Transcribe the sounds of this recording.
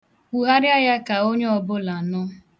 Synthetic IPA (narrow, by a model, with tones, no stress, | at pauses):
u˨ɦa˦ɾɪ˦a˦ja˦ka˨o˦ɲe˦ɔ˨bʊ˦la˨nʊ˦